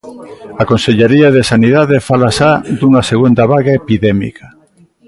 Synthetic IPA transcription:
akonseʎeɾiaðesaniðaðefalasad̪uŋɐseɣund̪aβaɣaepiðɛmḭka

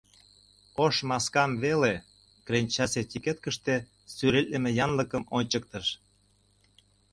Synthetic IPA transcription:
oʃmɑskɑmβele | kɾenʲt͡ɕɑset̪ʲiket̪̚kəʃt̪e | syɾelʲəmejɑnləkəmonʲt͡ɕək̚t̪əʃ

